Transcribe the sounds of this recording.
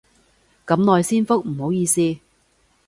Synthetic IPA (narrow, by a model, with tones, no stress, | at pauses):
kɐ˨˥mnɔː˨˧jsiː˥nfʊ˥k̚m̩˨˩ho˨˥wjiː˧siː˥